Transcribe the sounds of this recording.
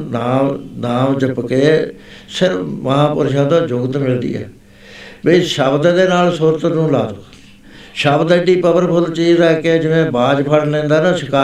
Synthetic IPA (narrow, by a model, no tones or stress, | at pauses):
naːmnaːmd͡ʒəpkeː | sɪɾməɦãːpʊ̰ɾʃãːd̪ãːd͡ʒʊɡt̪mɪld̪ḭːɛ̰ː | beːʃəbd̪d̪eːnaːlsuɾət̪nũːlaːd̪ | ʃəbd̪ɖiːpəbəɾpʰʊlt͡ʃiːzɛːked͡ʒɪʋẽːbaːd͡ʒpʰəɽlɛ̃ːnd̪aːnãːsɪkaː